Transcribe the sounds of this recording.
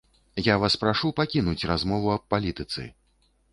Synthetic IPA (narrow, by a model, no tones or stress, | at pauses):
javaspɾaʂupakʲinut͡sʲrazmɔvuɐpːalʲit̪ɨt̪sɨ̰